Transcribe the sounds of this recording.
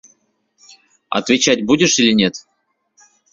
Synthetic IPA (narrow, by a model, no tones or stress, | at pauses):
ɐ̰t̪vʲɪt͡ɕatʲbudʲɪʂilʲɪnʲet̪